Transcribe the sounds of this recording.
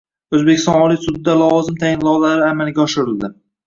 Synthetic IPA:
ɵzbekʲʰɪst̪ɒ̰nɒlijsʊd̪ɪd̪alɒwɒzɪmt̪ʰajɪnlɒwlaɾɪamalɡʲaɒʃɪɾɪld̪ɪ

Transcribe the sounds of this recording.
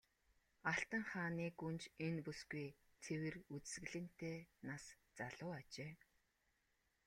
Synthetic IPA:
aɬt̪ə̆ŋχaːniːkunt͡ɕenpusɡuj | t͡sʰewɘ̆rut͡s̆sɣɘ̆ɮɘ̆n̥t̪eːnast͡saɮʊːat͡ɕeː

